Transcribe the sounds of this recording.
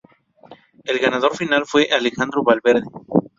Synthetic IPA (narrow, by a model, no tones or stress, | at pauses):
elɣanaðo̞ɾfinalfweʔale̞xand̪ɾoβalβe̞ɾðe